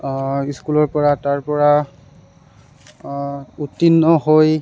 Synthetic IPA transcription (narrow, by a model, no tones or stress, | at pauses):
iskulɔɹpɔɹataɹpɔɹa | utːinːɔɦoj